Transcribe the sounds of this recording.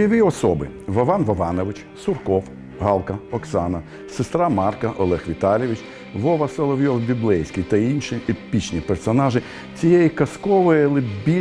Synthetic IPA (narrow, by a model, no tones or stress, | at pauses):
jɔʋʲiɔsɔbɪ̰ʋɐʋɑnʋɐʋɑnɔʋɪt͡ʃ | sʊrkɔw | ɦɑlˠkɐɔksɑnɐ | sɪst̪ɾɑmɑrkɐʔɔlˠɛxʋʲit̪ɑlʲɪʋʲit͡ʃ | ʋɔʋɐselˠɔʋʲjɔwbʲiblˠɛjsʲkʲijt̪ɐinʃiepʲit͡ʃnʲipersɔnɑʒɪ | t͡sʲijejikɐskɔʋɔjlˠɪbʲi